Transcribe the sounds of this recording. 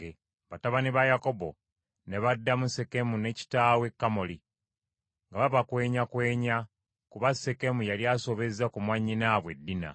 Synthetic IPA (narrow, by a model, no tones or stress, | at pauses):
e | βataβaniβajako̞bo̞̰ | ne̞βadːamuse̞ke̞mune̞ci̥taːwe̞kːamoli | ŋɡaβaβakwe̞ːɲakwe̞ːɲa | kuβase̞ke̞mujaliaso̞βe̞zakumwaɲːinaβwe̞dːina̰